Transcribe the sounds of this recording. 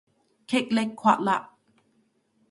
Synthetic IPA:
kʰe˦˨k̚le˧kʰːwa̰˧ʔla˧˨ʔ

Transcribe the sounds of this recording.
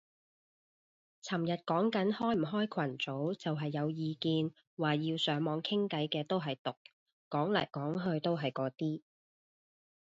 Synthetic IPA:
t͡sʰɐ˨˩mjɐ˨t̚kɔː˨˥ŋkɐ˨˥nhɔː˥jm̩˨˩ɦɔː˥jkʰɐ˨˩nt͡so˨˥wt͡sɐ˨wɦɐ˨jːɐ˨˧wjiː˨˧kiː˧n | waː˨jiː˧wsœː˨˥ŋmɔː˨˧ŋkʰɪ˥ŋkɐ˨˥jkɛː˧t̪o˥wɦɐ˨jt̪ʊ˨k̚ː | ɔː˨˥ŋlɐ̰ː˨˩jkɔː˨˥ŋɦɵ˧ɥt̪o˥wɦɐ˨jkɔː˨˥t̪iː˥

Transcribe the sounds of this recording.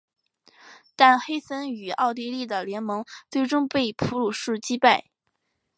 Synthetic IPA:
t̪a˥˩nxe˥ɪsə˥ny˨˩ɑ˥˧ʊt̪̬i˥˧li˥˩d̪ə˩ljɛ˧˥nmɤ˧˥ŋt͡swe˥˩ɪʈ͡ʂʊ˥ŋpe˥˩ɪpʰu˧˥lu˨˥˩ʂɻ̩˥˩t͡ɕi˥pa˥˩ɪ

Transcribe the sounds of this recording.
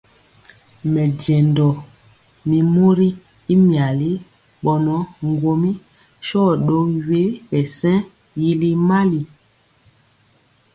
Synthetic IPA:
mɛ˨dɛ˨ndɔ˨ | mi˨mo˦ɾi˦ | i˦mja˨li˦ | ɓɔ˨nɔ˨˦ŋ˦˨ɡwo˨mi˦ | ʃɔ˦ɗo˦we˦ɓɛ˨sɛ̃˦ | ji˦li˦ma˦li˨

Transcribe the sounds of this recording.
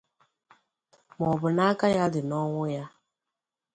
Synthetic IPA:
mɔ˨bə˨na˦ka˦ja˦di˨nɔ˦wʊ˦ja˦

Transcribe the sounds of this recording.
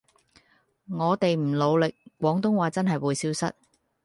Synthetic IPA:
ŋɔː˨˧t̪e˨jm̩˨˩lo˨˧wlɪ˨k̚ːʷɔː˨˥ŋt̪ʊ˥ŋwaː˨˧t͡sɐ˥nɦɐ˨jwuː˨˧jsiː˥wsɐ̰˥t̚

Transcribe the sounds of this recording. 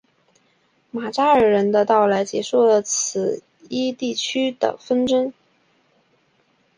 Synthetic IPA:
ma˨˩ʈ͡ʂa˥ə˞˨˩ɻə˧˥nd̪ə˧t̪ɑ˥˩ʊla˧˥ɪt͡ɕjɛ˧˥ʂu˥˩lə˩t͡s̩ʰ˨˩ | i˥t̪i˥˩t͡ɕʰy˥d̪̥ə̰˨fə˥nʈ͡ʂə˥ŋ

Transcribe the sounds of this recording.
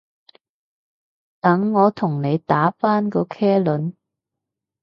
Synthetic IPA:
t̪ɐ˨˥ŋːɔː˨˧t̪ʰʊ˨˩ŋne˨˧jt̪aː˨˥faː˥nkɔː˧kʰɛː˥lɵ˨˥n

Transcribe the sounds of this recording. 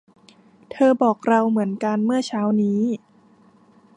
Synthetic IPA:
t̪ʰɤː˧bɔː˨˩k̚ɾa˧wmɯ˩˦ənka˧nmɯ˥˩ɐt͡ɕʰaː˦˥wniː˦˥

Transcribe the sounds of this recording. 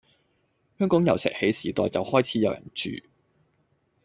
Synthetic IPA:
hœː˥ŋkɔː˨˥ŋjɐ˨˩wsɛ̰ː˨k̚he˨˥jsiː˨˩t̪ɔ̰ː˨jt͡sɐ˨whɔː˥jt͡sʰiː˨˥jɐ˨˧wjɐ̰˨˩nt͡ʃy̰ː˨

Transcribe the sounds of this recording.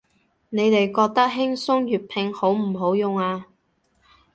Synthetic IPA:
ne˨˧jt̪e˨jkɔː˧k̚t̪ɐ˥k̚ɦɪ˥ŋsʊ˥ŋjyː˨t̚pʰɪ˧ŋho˨˥wm̩˨˩ɦo˨˥wjʊ˨˧ŋaː˧

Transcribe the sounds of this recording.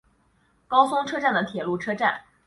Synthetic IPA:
kɑ˥ʊsʊ˥ŋʈ͡ʂʰɤ˥ʈ͡ʂa˥˩nd̪ə˩t̪ʰjɛ˨˩lu˥˩ʈ͡ʂʰɤ˥ʈ͡ʂa̰˥˩n

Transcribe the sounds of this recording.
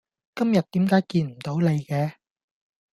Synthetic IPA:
kɐ˥mjɐ˨t̚t̪iː˨˥mkaː˨˥jkiː˧nm̩˨˩t̪o˨˥wle˨˧jkɛː˨˧

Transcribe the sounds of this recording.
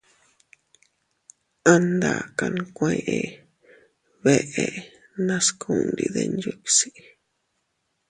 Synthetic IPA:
a˧nd̪a˨ka˧ñ˧kʷẽ˧ʔe˧ | βe˧ʔe˧˨ | nã˦skʰu˦˨nd̪i˧ðe˧nd͡ʒu˦ksi˦

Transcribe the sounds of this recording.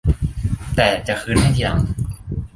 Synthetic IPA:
t̪ɛː˨˩t͡ɕa˨˩ʔkʰɯː˧˥nha˥˩jja˨˧˩ŋ

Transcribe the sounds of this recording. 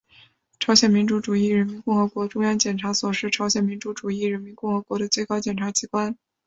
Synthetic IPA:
ʈ͡ʂʰɑ˧˥ʊɕjɛ˨˩nmi˧˥nʈ͡ʂu˧˥ʈ͡ʂu˨˩i˥˩ɻə˧˥nmi˧˥nkʊ˥˩ŋxɤ˧˥kwɔ˧˥ʈ͡ʂʊ˥ŋjɑ˥ŋt͡ɕjɛ˨˩nʈ͡ʂʰa˧˥swɔ˨˩ʂɻ̩˥˩ʈ͡ʂʰɑ˧˥ɕjɛ˨˩nmi˧˥nʈ͡ʂu˧˥ʈ͡ʂu˨˩i˥˩ɻə˧˥nmi˧˥nkʊ˥˩ŋxɤ˧˥kwɔ˧˥ɾə˧t͡swe˥˩ɪkɑ˥ʊt͡ɕjɛ˨˩nʈ͡ʂʰa˧˥t͡ɕʰi˧˥kwa˥n

